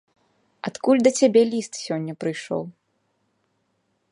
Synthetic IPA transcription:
at̪kulʲd̪ɐt͡sʲabʲɛlʲist̪sʲɔnʲːɐpɾɨjʂɔ̰w

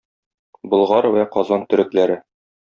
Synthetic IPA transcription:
bɤ̆lˠʁɑɾwæqɒzɑnt̪ɵ̆ɾɘ̆klæɾɘ

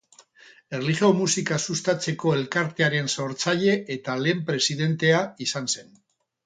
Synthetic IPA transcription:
e̞rliʝeomusikasust̪at͡se̞ko̞e̞lkaɾt̪e̞aɾe̞nso̞ɾt͡saʎe̞ʔet̪ale̞ːmpɾe̞siðe̞nt̪e̞aisanse̞n

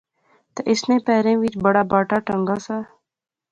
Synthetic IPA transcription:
t̪eʔisnẽːpeːɾẽːwit͡ʃbəɽaːbaːʈaʈəŋɡasa

